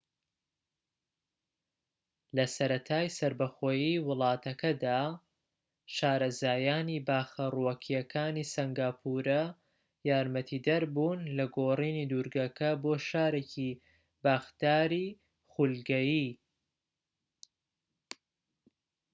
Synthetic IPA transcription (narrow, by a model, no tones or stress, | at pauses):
lɐsɐɾɐt̪ʰaːjsɐɾbɐxoːjiwɨlˠɑːt̪ɐkʰɐd̪aː | ʃaːɾɐzaːjaːnibaːxɐruwɐkʰijɐkʰaːnisɐŋɡaːpʰuɾɐ | jaːɾmɐt̪ʰiːd̪ɐɾbuːnlɐɡoːriːnid̪uɾɡɐkʰɐboːʃaːɾeːcʰi | baːxt̪aːɾi | χulɡɐjiː